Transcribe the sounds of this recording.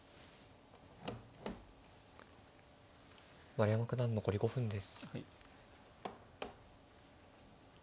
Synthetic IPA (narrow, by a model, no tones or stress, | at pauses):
βaɾʲiamakɯ̟nãnːo̞ko̞ɾʲiɡo̞ɸɯ̟̃nd̪e̞sɨ̥